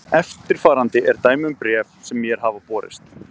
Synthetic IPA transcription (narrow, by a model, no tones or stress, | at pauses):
ɛft̪ɪɾ̥faːɾant̪ɪʔɛɾt̪aːjmʏmpɾjɛfsɛmːjɛɾ̥ɦaːvapɔːɾɪ̰st̪